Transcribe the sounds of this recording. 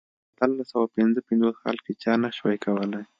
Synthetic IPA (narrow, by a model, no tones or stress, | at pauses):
at̪əlːasawapɪnzəpɪnd͡zosxɑ̰lket͡ʃɑnaʃwajkʰawəlaj